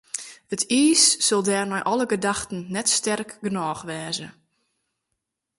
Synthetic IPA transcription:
ətʰiːsːɔlˠdɛːrmɛjʔɔləɡədaxtən̩nɛtstɛrkɡənɔːxʋɛːzə

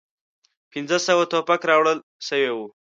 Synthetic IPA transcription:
pinzəsəwat̪opakɾɑwɽəl | ʃəwewu

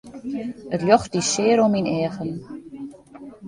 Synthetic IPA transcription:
ətljɔxt̚disɪːəɾominɛːəɣən

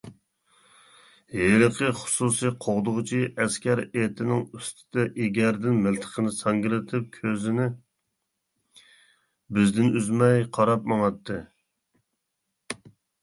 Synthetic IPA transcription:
jelɨqʰəχʊ̥susijqʰoʁd̪ʊʁt͡ʃʰiɛskʲæɾet̪ʰɪnɪŋyst̪ʰɪd̪ɛʔeɡʲæɾd̪ɪnmɪlt̪ʰə̥qʰənɨsɑŋɡʲɪlɪt̪ʰɪp̚kʲʰøzɪnɪ | bɪzd̪ɪnyzmɛjqʰɑɾɑp̚mɑŋɑt̪ʰːɨ

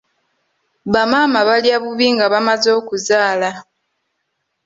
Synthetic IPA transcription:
βamaːmaβaljaβuβiŋɡaβamazo̞ːkuzaːla

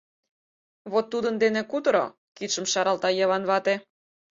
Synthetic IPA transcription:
βot̪ːud̪ənd̪enĕkut̪ɤ̆ɾo̰ | kit̪ʃəmʃɑɾɑlt̪ɑjɤβɑnβɑt̪e

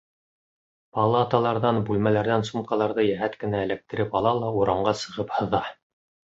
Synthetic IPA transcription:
pɑlˠɑt̪ɑlˠɑɾðɑnbʉlmælæɾðænsumqɑlˠɑɾðɤjæɦæt̪kɘ̆næɘ̆læk̚t̪ɘ̆ɾɘpɑlˠɑlˠɑuɾɑɴɢɑsɤ̆ʁɤphɤ̆ðɑ

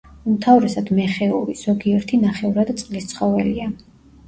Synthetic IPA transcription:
umt̪ʰavɾɛsad̪mɛχɛuɾiz̥ɔɡiɛɾt̪ʰinaχɛuɾad̪t̪sʼqʼlist̪sʰχɔvɛlia

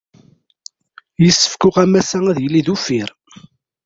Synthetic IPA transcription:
jəsːə̥fkʊʁæmæsæŋæðjəlːiðufiɾ

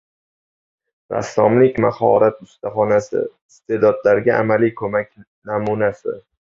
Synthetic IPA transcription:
ɾa̰sːɒmlɪkʲmahɒɾat̪ʊst̪ʰaχɒnasɪ̰ɪst̪ʰe̞d̪ɒd̪laɾɡʲaʔamalijkʰɵmakʲ | namunasɪ

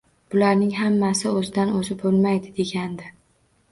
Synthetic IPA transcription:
b̥ʊlaɾnɪŋɦamːasɪɵzɪd̪anɵzɪbbolˠmajd̪ɪd̪e̞ɡʲand̪ɪ

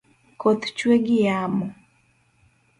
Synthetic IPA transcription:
kot̪t͡ʃweɡɪjamɔ

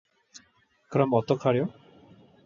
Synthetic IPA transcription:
kɾɔmɔt̪ɔkʰaɾjɔ

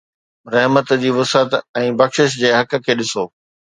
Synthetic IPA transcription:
ɾɐɦmət̪d͡ʑiːʋʊsət̪ɛ̃ːbɐxʃɪʃ̬d͡ʑeːɦɐk̆kʰeːɗɪsoː

